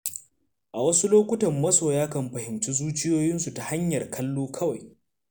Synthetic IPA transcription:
ʔa˨wɐ˦su˦loː˦kʷʊ˦tɐ˨mːɐ˦soː˨jaː˦kɐ˨mɸɐ˨hɪ˨mt͡ʃi˦zuː˦t͡ʃɪ˦joː˦jɪ˦nsu˨ta˨ha˦ɲjɐ˨rkʰɐ˦lːoː˦kʰɐ˦wa˨j

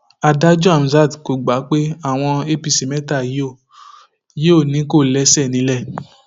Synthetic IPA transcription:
a˧da˦d͡ʒɔ˦a˨m̩˨za˦˨dko˨ɡ͡ba˨˦k͡pe˦a˦˨w̃ɔ̃˧e˦pi˧si˨mɛ˦ta˦˨je˦o˦˨ | je˦o˦˨nĩ˨˦ko˦˨lɛ˦sɛ˦˨nĩ˨˦lɛ˦˨

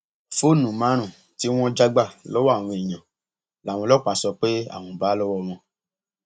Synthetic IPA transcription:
fo˦˨nũ˨mã˨˦ɾ̃ũ˦˨ | ti˨˦w̃ɔ̃˦d͡ʒa˦ɡ͡ba˦˨lɔ˦wɔ˦a˦˨w̃ɔ̃˧e˨ɲã˨ | la˨w̃ɔ̃˧lɔ˦˨k͡pa˨˧sɔ˧k͡pe˦a̰˦˨w̃ɔ̃˧ba˨˦lɔ˦wɔ˦w̃ɔ̃˧

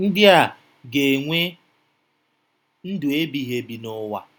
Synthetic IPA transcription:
n̩˦dɪ˦a˨ | ɡe˨ŋʷe˦ | n̩˦dʊ˨e˦bi˨ɦe˨bi˨nʊ˦wa̰˨

